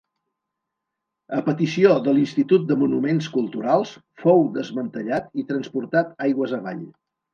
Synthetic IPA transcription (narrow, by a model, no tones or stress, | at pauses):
əpət̪isioðəlinst̪it̪ut̪̚d̪əmunumenskulˠt̪uɾalˠs | fowðəzmənt̪əʎat̪it̪ɾənspuɾt̪at̪ajɣwəzəβa̰ʎ